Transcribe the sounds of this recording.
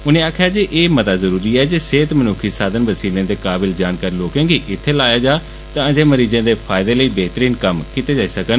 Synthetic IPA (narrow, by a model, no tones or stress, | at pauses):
ʊnẽːaːkʰjaːd͡ʒeːʔeːmət̪aːzəɾuːɾiːɛːd͡ʒeːseːt̪mənʊkʰiːsaːd̪ənʋəsiːlãːd̪eːkaːbɪld͡ʒaːnkaːɾiːloːkẽːɡiːʔɪt̪ʰːeːlaːjaːd͡ʒaː | t̪ãːd͡ʒeːməɾiːd͡ʒãːd̪eːpʰaːɪd̪eːləiːbɛːt̪əɾiːnkəmkiːt̪eːd͡ʒaːiːsəkən